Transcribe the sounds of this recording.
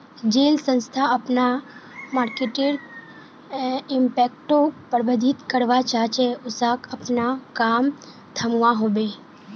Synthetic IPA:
d͡ʒelsə̃nst̪ʰaəpnamaɾkeʈiɾɡ | ɪmpɛk̚ʈopəɾbəd̪ʱit̪kəɾʋat͡ʃat͡ʃeʊsakəpnakam | t̪ʰəmʋaɦobe

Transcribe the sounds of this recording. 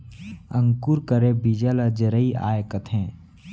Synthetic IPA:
ə̃ŋkuːɾkəɾebid͡ʒaːlad͡ʒəɾəiʔa̰ːjkət̪ʰɦɛ̃ː

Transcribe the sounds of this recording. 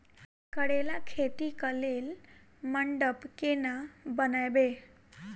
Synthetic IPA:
kəɽelakʰet̪ikəlel | məɳɖəpkenabənajbe

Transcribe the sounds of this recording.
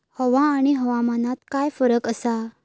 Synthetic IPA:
hɔʋãːɽ̃iɦɔʋamanat̪kajfəɾəkəsa

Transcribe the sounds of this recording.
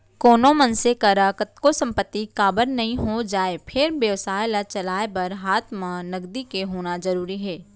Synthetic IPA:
koːnomɐnsekəɾaːkət̪̚kosɐ̃mpət̪ːikaːbəɾnɐɦĩɦod͡ʒaːepʰɪɾbjəʋsaːjlat͡ʃɐlaːebɐɾɦaːt̪ʰmãnɐɡd̪ikeɦoːnazɐɾuːɾiɦɛː

